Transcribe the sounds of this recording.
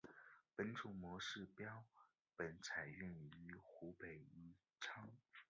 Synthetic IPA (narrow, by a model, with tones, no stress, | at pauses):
pə˧˥nʈ͡ʂʰu˨˩ŋmwɔ˧˥ʂɻ̩˥˩pjɑ˥ʊ | pə˨˩nt͡sʰa˨˩ɪy˥˩ny˧˥xu˧˥pe˨˩ɪy˧˥ | ʈ͡ʂʰɑ˥ŋ